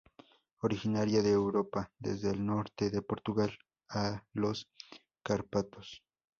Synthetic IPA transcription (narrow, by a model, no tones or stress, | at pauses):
oɾixinaɾjaðeːwɾopad̪ḛzðeːlno̞ɾt̪eðe̞poɾt̪uɣal | alos | kaɾpat̪os